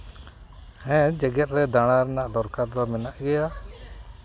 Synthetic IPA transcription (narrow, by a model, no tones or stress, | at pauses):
hɛ̃d͡ʒɛɡɛt̪̚ˀɾɛd̪aɽ̃aɾɛnaʔd̪ɔɾkaɾd̪ɔmɛnaʔɡɛja